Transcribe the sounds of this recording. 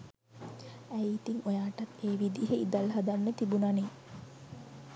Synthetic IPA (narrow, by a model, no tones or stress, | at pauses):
æjit̪iŋojaːʈɐt̪eːʋid̪iɦeid̪alɦad̪anːət̪ibunane